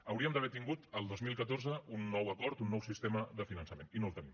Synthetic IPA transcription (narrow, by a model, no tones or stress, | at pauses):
əwɾiəmd̪əβɛt̪iŋɡut̪əlˠd̪ozmilˠkət̪orzəunːɔwəkɔɾt̪unːɔwsist̪eməðəfinənsəmeninolˠt̪ənim